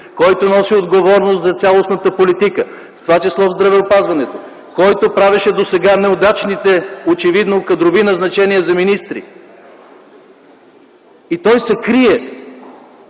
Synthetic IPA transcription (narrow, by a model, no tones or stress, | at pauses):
kɔjt̪onɔsiod̪ɡovɔɾnost̪zɐt̪sʲalˠosnət̪əpolit̪ikə | ft̪ovat͡ʃislˠɔvzd̪ɾɐvɛopazvɐnɛt̪o | kɔjt̪opɾavɛʃɛd̪osɛɡanɛod̪at͡ʃnit̪ɛot͡ʃɛvid̪nokɐd̪ɾovinɐznɐt͡ʃɛniəzɐminist̪ɾḭ | it̪ɔjsɛkɾiɛ